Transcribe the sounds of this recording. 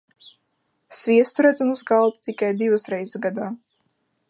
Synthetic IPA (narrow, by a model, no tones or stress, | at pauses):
svʲiɛst̪uɾæd̪zamuzɡalˠt̪ut̪ikajd̪ivasɾɛjzsɡad̪aː